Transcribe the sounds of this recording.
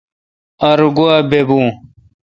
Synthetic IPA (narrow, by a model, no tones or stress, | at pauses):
ɐɾɡuabebũː